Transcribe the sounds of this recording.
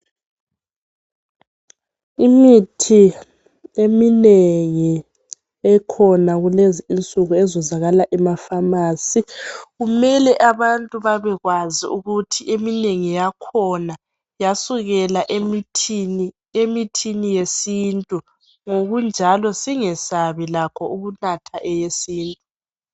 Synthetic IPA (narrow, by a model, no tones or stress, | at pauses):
imitʰi | emineŋi | ɛkʰɔnaɣuleziint͡sʼuɣuɛzɔzaɣalaʔɛmafamaːsiɣumɛlɛʔaβantʼuβaβɛɣwazḭuɣutʰiʔemineŋijakʰɔna | jasuɣɛlaʔemitʰni | emitʰinijesiːntʼu | ŋoɣund͡ʒʱalɔsiŋɛsaβilakʰɔuɣunatʰaʔɛjesiːntʼu